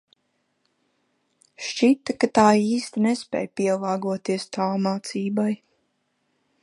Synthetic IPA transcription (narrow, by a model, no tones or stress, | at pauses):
ʃt͡ʃit̪ḁkat̪aːiːst̪inɛspʲɛ̰ːjpʲiɛlˠɑːɡuɔt̪iɛst̪aːmaːt̪siːbaj